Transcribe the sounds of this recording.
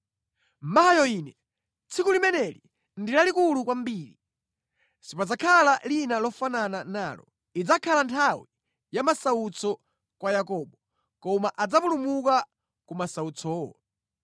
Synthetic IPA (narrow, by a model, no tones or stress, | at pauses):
m̩maɦajɔiːnɛ | t͡sʰikulimɛnɛli | ndilalikulukwam̩biːɾi | sipad͡zakʰalalinalɔfanananaːlɔ̰ | id͡zakʰalantʰawi | jamasaut͡sɔ | kwajakɔɓɔ | kɔmaʔad͡zapulumuka | kumasaut͡sɔːɔ̰